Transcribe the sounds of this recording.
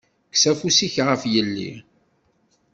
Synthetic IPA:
ksæfusiçʁəfjəlːḭ

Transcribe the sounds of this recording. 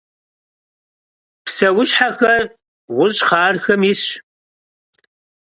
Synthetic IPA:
psɐwʊɕħaxɐr | ʁʷʊɕʼχɑːrxɐmɪs

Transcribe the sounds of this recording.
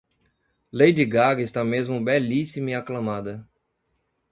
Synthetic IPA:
lejd͡ʒɪɡaɡɪst̪amezmʊbɛlisimiaklɐ̃mad̪ɐ

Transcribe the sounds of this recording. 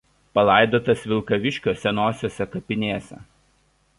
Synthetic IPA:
pɐlˠɑˑɪd̪oːt̪ɐsʋʲɪlˠˑkɐʋʲɪʃʲkʲoːsʲɛnoːsʲoːsʲɛkɐpʲɪnʲeːsʲɛ̰

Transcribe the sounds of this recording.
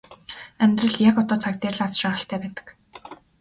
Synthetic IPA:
æmʲt̪rə̆ɮjakɔt̪ɔːt͡sʰak̚t̪eːrɮat͡sʃæːʁə̆ɬt̪ʰæːpæːt̪ə̥̆k

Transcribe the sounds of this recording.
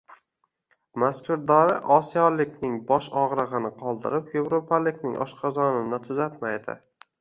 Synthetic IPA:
maskʲʰʊɾd̪ɒɾɪʔɒsijɒlɪkʲnɪŋbɒʃɒʁɾɨʁɨnɪqʰɒlˠd̪ɪ̰ɾɪpje̞vɾopʰalɪkʲnɪ̰ŋʔɒ̰ʃqʰɑzɒnɪnɪt̪ʰʊzat̪majd̪ɪ̰

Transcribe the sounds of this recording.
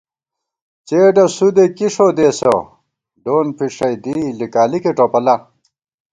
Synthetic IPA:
t͡ɕeːɖɐsud̪ekiʂod̪eːso̰ | ɖoːnpʰiʂɐjd̪ilikaːlikeʈopɐlɐ

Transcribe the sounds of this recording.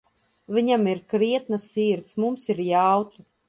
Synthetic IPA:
vʲiɲamiɾkɾiɛt̪nasiːɾt̪smumsiɾjawt̪u

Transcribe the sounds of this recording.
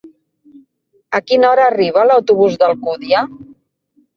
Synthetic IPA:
əkinɔɾəːriβ̞ələwt̪uβ̞uzðəlˠkuðia

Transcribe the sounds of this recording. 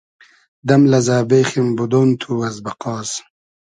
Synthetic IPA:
d̪ɐmlɐzaːbeːximbud̪oːnt̪ʰuwɐzbɐqɑːs

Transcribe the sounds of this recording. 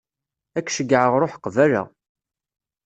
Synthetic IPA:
ækːʃəɡːʕəʁɾˤoħqvælæ̰

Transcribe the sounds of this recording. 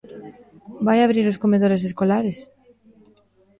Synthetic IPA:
bajaβɾiɾoskomeð̞oɾes̬eskolaɾes

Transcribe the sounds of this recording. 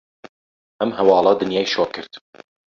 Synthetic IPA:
ʔɛmhɐwɑːlˠɑd̪ɨnjɑːjʃoːɾkʰɨɾd̪̥

